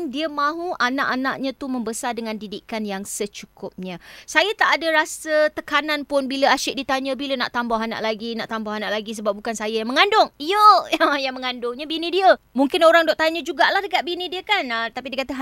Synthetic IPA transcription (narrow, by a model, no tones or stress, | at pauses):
ŋdiəmãɦuʔanaʔana̰ʔɲãt̪uməmbəsardəŋãndidikanjaŋsət͡ʃukʊp̚ɲə̃sajat̪aʔadaɾasət̪əkananpʊnbiləaʃɪʔ̚dit̪aɲə̃biləna̰ʔt̪ambawɦana̰ʔlaɡinaʔt̪ambawhanaʔlaɡis̬əbap̚bukansajajaŋməŋandʊŋjəəjaŋməŋandʊŋɲabinĩdiəmuŋkɪnoɾaŋdɔʔt̪aɲə̃d͡ʒuɡaʔlahdəkaʔ̪̚binidiəkanət̪apidiəkat̪əɦ